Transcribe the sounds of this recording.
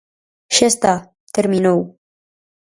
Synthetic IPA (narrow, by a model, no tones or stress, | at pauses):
ʃest̪a | t̪eɾminow